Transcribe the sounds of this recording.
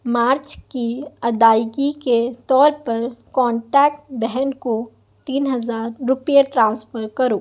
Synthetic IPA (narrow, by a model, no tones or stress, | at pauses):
maːɾt͡ʃkiɐd̪aːɪɡiket̪ɔːɾpɐɾkɔ̃ːɳʈɛːk̚ʈbɛɦɛnko | t̪iːnɦɐzaːɾːʊpjeʈɾãːnsfəɾkɐɾoː